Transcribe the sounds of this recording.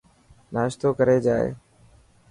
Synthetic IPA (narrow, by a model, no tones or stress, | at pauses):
naːʃt̪oːkəɾeːd͡ʒaːḛː